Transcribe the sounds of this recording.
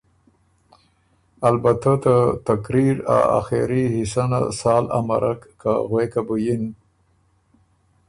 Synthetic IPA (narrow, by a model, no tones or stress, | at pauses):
albat̪at̪at̪akɾiɾa̰a̰xeɾihisana̰sɑːla̰ma̰ɾʔakːa̰ɣwekabujin